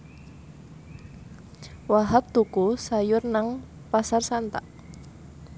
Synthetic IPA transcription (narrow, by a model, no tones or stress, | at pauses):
waɦap̚t̪ukusajʊrnaŋ | pasarsant̪aʔ